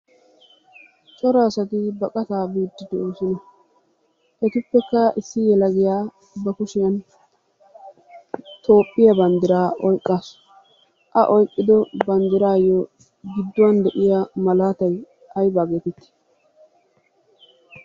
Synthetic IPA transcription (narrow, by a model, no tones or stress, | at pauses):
t͡ʃʼɔɾaːsɐt̪ɪbɐkʼɐt̪aːbiːd̪ːɪd̪ɔoːsɪnɐ | ʔɛt̪ɪpːɛkːɐʔɪsːɪjɛlɐɡɪjaː | bɐkʊʃɪjɐn | t̪o̞ːpʼːɪjɐbɐnd̪ɪɾaːɔjkʼːaːs | ʔɐʔɔjkʼːɪd̪ɔbɐnd̪ɪɾaːjɔ | ɡɪd̪ːʊwɐnd̪ɛʔɪjamɐlaːt̪ɐj | hɐjbaːɡet̪ɪt̪ːɪ̥